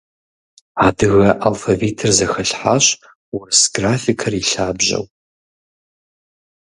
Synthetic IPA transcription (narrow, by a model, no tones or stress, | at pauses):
aːdɨɣɐʔalfɐviːtʰɨrzɐxɐɬħaːɕ | wʊrɨsɡraːfikʰɐriɬaːbʑɐ̰w